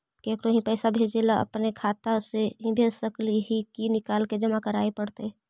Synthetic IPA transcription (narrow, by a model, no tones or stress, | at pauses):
keːkɾõɦĩpɛːsabʱeːd͡ʒeːlaʔə̰pnekʰaːt̪aseɦĩbʱesəkliɦikinɪkaːlked͡ʒɐmakəɾaːepəɽt̪e